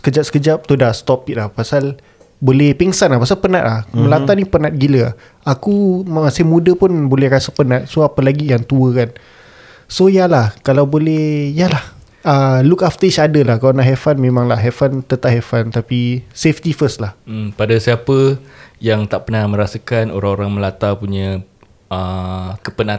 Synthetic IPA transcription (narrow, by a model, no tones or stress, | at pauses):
sə̥kəd͡ʒap̚sə̥kəd͡ʒap̚t̪odast̪ɔpik̪̚lahpasal | bolɛhpɛŋsanlahpasalpənat̪̚lahmə̃lat̪anipənat̪̚ɡilə | akumasɪhmũdəpʊnbolɛhɾasəpənat̪̚soapəlaɡijaŋt̪uəkan | sojalahkalawbolɛhjalah | əlukaft̪ət͡ʃadəlahkalanaʔɦefanmẽmãŋlaɦefant̪ət̪aʔɦefant̪apiseft̪ifəslah̩padasiapəjaŋt̪aʔpənamə̃ɾasakano̰ɾaŋoɾaŋməlat̪apuɲã | əkəpənat̪